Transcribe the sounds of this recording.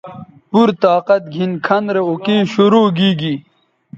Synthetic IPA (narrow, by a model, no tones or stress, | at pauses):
puɾt̪aːqɐt̪̚ɡʱinkʰɐnd̪ɾeokiːɕuɾuːɡiːɡi